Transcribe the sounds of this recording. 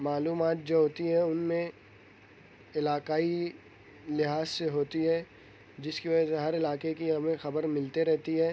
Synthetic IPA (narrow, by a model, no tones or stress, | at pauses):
maːluːmaːt̪̚d͡ʒoːɦoːt̪iɦɛʊnmẽ | ɪlaːkaːi | lɪɦaːzseɦoːt̪iɦɛː | d͡ʒɪskiʋɐd͡ʒəseɦɐɾɪlaːkekiɦɐmẽxɐbəɾmɪlt̪eɾɛɦt̪iɦɛː